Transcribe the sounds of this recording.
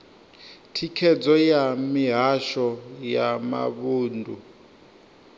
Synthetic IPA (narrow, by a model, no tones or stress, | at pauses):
tʰikʰɛd͡zɔjamiɦaʃɔjama̰βuːndʱu